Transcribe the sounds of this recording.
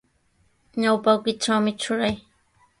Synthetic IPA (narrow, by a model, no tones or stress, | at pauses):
ɲawpawkɪʈ͡ʂawmɪʈ͡ʂʊɾaj